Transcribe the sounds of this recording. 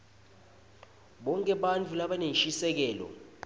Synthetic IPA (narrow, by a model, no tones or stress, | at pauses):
ɓɔŋkʼɛɓant͡fʰulaɓanenʃisɛk̬ɛːlɔ̰